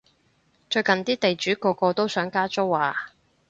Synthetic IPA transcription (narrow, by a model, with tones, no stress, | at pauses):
t͡ʃɵ˧ɥkɐ˨nt̪iː˥t̪e˨jt͡ʃyː˨˥kɔː˧kɔː˧t̪o˥wsœː˨˥ŋkaː˥t͡ʃʊ˥wwaː˨˩